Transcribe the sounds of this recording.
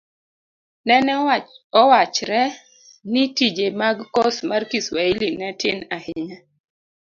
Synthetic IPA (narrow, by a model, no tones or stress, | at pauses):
nɛnɛɔwat͡ʃɾɛ | nitid͡ʒemaɡkosmarkiswailinɛtɪnahɪɲa